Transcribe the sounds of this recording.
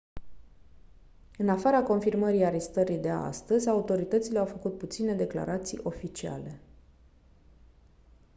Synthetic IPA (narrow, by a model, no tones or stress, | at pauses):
ɨnafaɾako̞nfirməɾiaɾe̞st̪əɾid̪e̞a̰st̪əzʲaut̪o̞ɾit̪ət̪sile̞awfəkut̪̚put̪sine̞d̪e̞kla̰ɾat̪sḭjʔo̞fit͡ʃia̰le̞